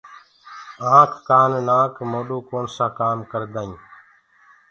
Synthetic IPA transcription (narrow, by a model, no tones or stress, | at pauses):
ãːkʰːaːnnaːkmoːɗuːkoːnsãːkaːmkəɾd̪aːĩː